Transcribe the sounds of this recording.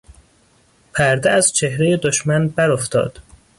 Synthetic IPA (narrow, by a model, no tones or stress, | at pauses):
pʰæɾd̪eæz̥t͡ʃʰe̞hɾejed̪oʃmænbæɾoft̪ʰɒ̰ːd̪̥